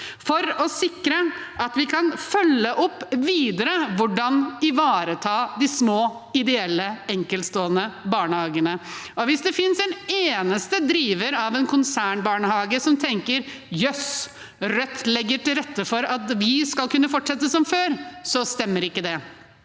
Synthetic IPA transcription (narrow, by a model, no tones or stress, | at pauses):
fɔɾɔsɪkɾəʔɑt̪ʋɪkʰɑnfœlːəʔɔpːʋiːd̪əɾəʋʊɖːɑnɪʋɑːɾət̪ʰɑːd̪ɪsmoː | ɪd̪ɛɛlːəɛŋkəlst̪oːənəbɑːɳəhɑːɡənəɔʋɪsd̪ɛfɪnsɛneːnəst̪əd̪ɾiːʋəɾɑʋɛnkʰʊnsæːɳbɑːɳəhɑːɡəsɔmt̪ʰɛŋkəɾ | jœs | ɾœt̪ʰːlɛɡːəʈɪlɾɛt̪ːəfɔɾɑt̪ʋɪskɑlkʰʉnːəfɔʈʂɛt̪ːəsɔmføːɾsɔst̪ɛmːəɾɪkːəd̪ɛ